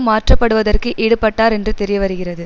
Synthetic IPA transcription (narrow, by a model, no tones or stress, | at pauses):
mːaːʈrɐpːɐɽɯʋɐðɐrkɯʔɛɽɯpːɐʈːaːɾɛndrɯt̪ɛɾɪjɐʋɐɾɯɣɪrɐðɯ